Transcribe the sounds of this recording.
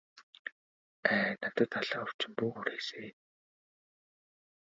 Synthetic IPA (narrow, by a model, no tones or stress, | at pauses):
æːnḁt̪ə̆t̪aɮaːʊw̥t͡ɕɪ̆mpuːxuɾeːse